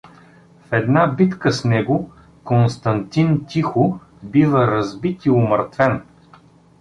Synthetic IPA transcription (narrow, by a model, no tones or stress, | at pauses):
fɛd̪nabit̪kəsnɛɡʊ | konst̪ɐnt̪int̪ʲixʊ | bivəɾɐzbit̪iʊməɾt̪vɛn